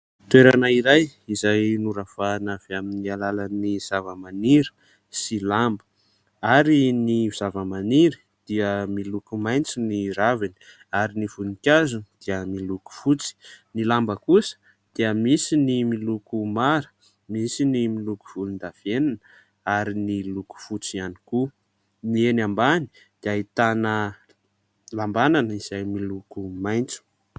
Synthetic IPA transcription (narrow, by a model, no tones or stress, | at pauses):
t̪weɾanaiɾajizajnuɾav̥anav̥eaminialalaniz̥avəmaniɾə̥ | silambə̥ | aɾinivuz̥avəmaniɾi̥ | d̪̥iəmilukumajnt͡siniɾavini̥ | aɾinifunikʲazunid̪̥iəmiluku̥fut͡si̥nilambəkusə̥ | d̪̥iəmisinimilukumaɾə̥ | misinimiluku̥v̥ulund̪av̥enanə | aɾiniluku̥fut͡sianiku | nienambani̥ | d̪̥iait̪anə | lambananəiz̥ajmilukumajnt͡su̥